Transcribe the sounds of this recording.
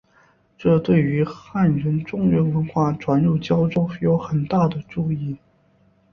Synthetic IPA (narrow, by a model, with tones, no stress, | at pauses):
ʈ͡ʂɤ˥˧t̪we˥˩ɪy˧˥xa˥˩nɻə˧˥nʈ͡ʂʊ˥˧ŋɻə˧˥nwə˧˥nxwa˥˩ʈ͡ʂwa˧˥nɻu˥˩t͡ɕjɑ˥ʊʈ͡ʂo˥ʊ˥jo˧˥ʊxə˨˩nt̪a˥˩d̪ə˩ʈ͡ʂu˥˧i˥˩